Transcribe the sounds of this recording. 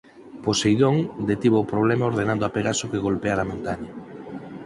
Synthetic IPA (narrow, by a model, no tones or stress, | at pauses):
posejðoŋd̪et̪iβoːpɾoβlɛmaoɾðenãnd̪oapeɣasokeɣolpeaɾamõnt̪aɲɐ